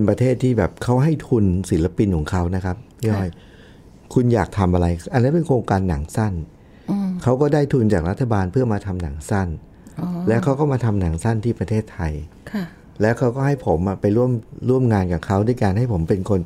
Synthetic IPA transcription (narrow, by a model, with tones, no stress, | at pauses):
pe˧npɾa˧t̪ʰeː˥˩t̪ʰːiː˥˩bɛː˨˩p̚kʰa˦˥wɦa˥˩jt̪ʰu˧nsi˩˦la˧pi˧nkʰɔː˩˦ŋkʰa˦˥wna˦˥kʰa˦˥p̚ɔ˥˩j | kʰu˧njaː˨˩k̚t̪ʰa˧mʔa˧ɾa˧jʔa˧nːa˦˥pe˧nkʰoː˧ŋkaː˧nːa˨˩˦ŋsa˥˩n | kʰa˦˥wkɔː˥˩daː˥˩jt̪ʰu˧nt͡ɕaː˨˩k̚ɾa˦˥t̪ʰːa˧baː˧npʰɯ˥˩ɐmaː˧t̪ʰa˧mna˩˦ŋsa˥˩n | lɛː˦˥wkʰa˦˥wkɔː˥˩maː˧t̪ʰa˧mna˩˦ŋsa˥˩nt̪ʰiː˥˩pɾa˧t̪ʰeː˥˩t̪ʰːa˧jkʰ | lɛː˦˥wkʰa˦˥wkɔː˥˩ɦa˥˩jpʰo˩˦mʔa˨˩pa˧jɾu˥˩əmɾu˥˩əmŋaː˧nkaː˨˩kʰa˦˥wdu˥˧˩jkaː˧nɦa˥˩jpʰo˩˦mpe˧nkʰo˧n